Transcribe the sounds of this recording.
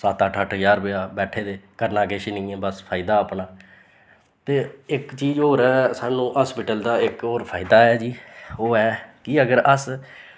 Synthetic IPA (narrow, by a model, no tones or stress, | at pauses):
səːt̪əʈʰəʈʰjaːɾbeːaːbɛːʈʰeːd̪eːkəɾnaːkeʃɪnĩːɛːbəspʰaːɪd̪aːəpnaː | t̪eːɪkt͡ʃiːd͡ʒoːɾɛːsaːnũːɦaːspɪʈəld̪aːɪkoːɾpʰaːɪd̪aːɛːd͡ʒiːoːɛːkɪəɡəɾəs